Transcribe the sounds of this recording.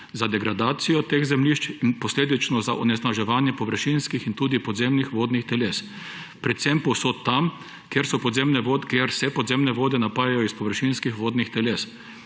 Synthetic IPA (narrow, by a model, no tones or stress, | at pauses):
zad̪ɛɡɾad̪aːt̪sijɔt̪eːɣzɛmliʃt͡ʃinpɔsleːd̪it͡ʃnɔzaʔɔnɛsnaʒɛʋaːnjɛpɔʋəɾʃinskixint̪uːd̪ipɔd̪zemnixʋoːd̪nixt̪ɛles | pɾɛt̪sɛmpɔwsot̪t̪ːam | kjeɾsɔpɔd̪zemnɛʋokjeɾsɛpɔd̪zemnɛʋoːd̪ɛnapaːjajɔispɔʋəɾʃinskixʋoːd̪nixt̪ɛles